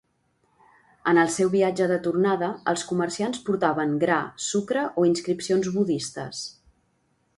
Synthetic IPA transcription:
ənəlˠsɛwβiad͡ʒəðət̪urnaðəəlˠskumərsianspuɾt̪aβəŋɡɾasukɾəʔoinskɾipsionzβuðist̪ə̰s

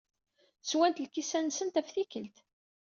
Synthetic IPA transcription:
θswænt̪lkisænsənt̪æfθikəlt̪

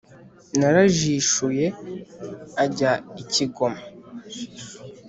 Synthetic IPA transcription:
naɾaʒiʃuje̞ | aɟaiciɡo̞ma

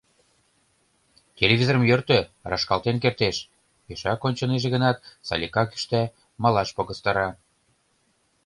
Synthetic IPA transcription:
tʲelʲevʲizoɾə̆mjørt̪ø̆rɑʃkɑlˠt̪enk̬ert̪eʃ | jeʃɑkonʲt͡ɕɤ̆neʒeɣə̆nɑt̪̚sɑ̰lʲikɑky̥ʃt̪æ | mɑlɑʃpoɣə̆st̪ɑɾɑ

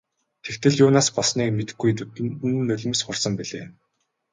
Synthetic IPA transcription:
t̪ʰekt̪ʰɘ̆ɮjʊːnaːspɔsniːkmet̪ɘ̥̆ɡːujnːɵɮʲɵ̆msχʊrsə̆mpiɮeː

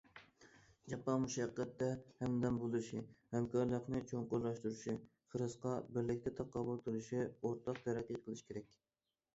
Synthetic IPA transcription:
d͡ʒɑpɑnmuʃɑqːət̪ːɛhɛmd̪ɛnbolˠɨʃihɛmkʰɑɾlˠəqnɨt͡ʃʰoŋqʊɾlˠɑʃt̪uɾuʃi | χəɾɨsqɑbɪɾlɪk̚ʲt̪ʰɛt̪ʰɑqʰːɑbulˠt̪ʰɨluʃioɾt̪ʰɑqt̪ʰɛɾɛkʲiqʰəlˠɨʃi̥kʰʲeɾɛkʲ

